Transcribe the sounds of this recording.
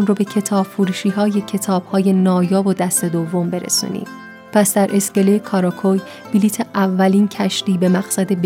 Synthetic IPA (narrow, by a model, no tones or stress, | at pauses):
nrobe̞cʰe̞t̪ʰɒːb̥fuːɾuːʃiːɦɒːje̞cʰe̞t̪ʰɒːb̥hɒːje̞nɒːjɒːvod̪æst̪e̞d̪ovːo̞mbe̞ɾḛsṵːnḭːm | pʰæsd̪æɾʔe̞scelejekʰɒːɾɒkʰoj | b̥iliːt̪ʰe̞ʔævːæliːncʰæʃt̪iːbe̞mæɣsæd̪e̞b